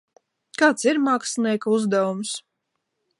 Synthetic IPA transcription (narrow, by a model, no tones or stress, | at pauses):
kaːt̪siɾmaksniɛkuzd̪ɛvums